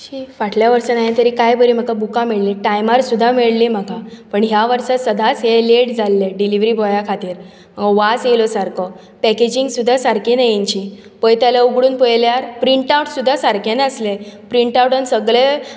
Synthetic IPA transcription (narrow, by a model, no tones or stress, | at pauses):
ɕiʋaʈʰljaʋəɾsənajit̪əɾiːkajbəɾim̤akabukãmiɭliʈajmaɾsud̪ʱːamiɭlim̤akapəɳɦjaʋəɾsəsəd̪ʱat͡sɦeleɽd͡zalːeɖiliʋɾibɔjakʰat̪iːɾ | məɡʋasjelɔsaɾkʰɔ | pɛked͡ʑiŋɡsud̪ʱːasaɾkinajiɲt͡ɕi | pəjt̪jalauɡɽuːnpəjljaɾpɾiɳʈawʈsud̪ʱːasaɾkʰeneəslepɾiɳʈawʈənsəɡɭe